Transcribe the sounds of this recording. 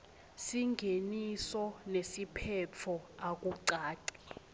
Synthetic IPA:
siŋɡʱenisɔnesipʰɛt͡fʰɔak̬ʼuǀaːǀi

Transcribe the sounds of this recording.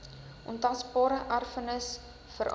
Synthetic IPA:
ʔɔ̰ntɐsbɑːɾəʔɐrfənəs | fəɾʔ

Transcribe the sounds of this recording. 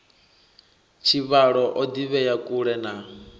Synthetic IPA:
t͡ʃʰiβaɺɔʔɔd̪iβɛjakʼuɺɛna

